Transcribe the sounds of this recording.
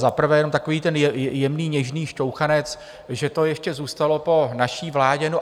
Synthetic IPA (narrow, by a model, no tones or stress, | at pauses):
zapr̩vɛːjɛnomt̪akoviːt̪ɛnjɛmniːɲɛʒniːʃcowxanɛt͡s | ʒɛt̪o̞jɛʃcɛzuːst̪alo̞po̞naʃiːvlaːɟɛno